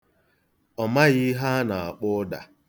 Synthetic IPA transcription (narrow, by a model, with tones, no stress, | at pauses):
ɔ˨ma˦ɣɪ˦ɦa˦na˨a̰˨k͡pʊ˦da̰˨